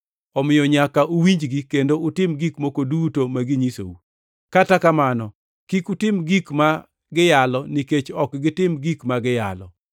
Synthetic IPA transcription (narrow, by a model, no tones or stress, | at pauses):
ɔmɪjɔɲakaʔuwiɲd͡ʒɡikendoʊtɪmɡikmokodutomaɡiɲiso̰u | katakamanɔ | kikutɪmɡikma | ɡɪjalɔniket͡ʃɔkɡɪtɪmɡikmaɡɪja̰lɔ̰